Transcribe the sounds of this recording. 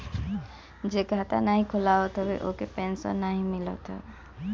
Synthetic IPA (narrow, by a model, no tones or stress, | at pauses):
d͡ʒeɡʱat̪a̰naɦĩkʰulaɔt̪ʰɔbeʔokepensɔ̰naɦĩmilɔ̰t̪ʰɔ̰